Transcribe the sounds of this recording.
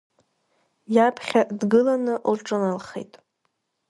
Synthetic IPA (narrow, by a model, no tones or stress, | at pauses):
japʰχʲadɡɨlanɨʔlʈ͡ʂʼɨnalχḛjtʼ